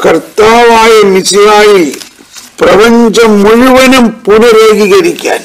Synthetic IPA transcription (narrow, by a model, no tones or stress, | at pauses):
kɐrt̪aːʋaːjɐmisijaːji | prɐʋɐɲd͡ʑɐmːuɻʊʋɐnɐmpunɐɾeːɣiɣɐɾikʲːa̰ːn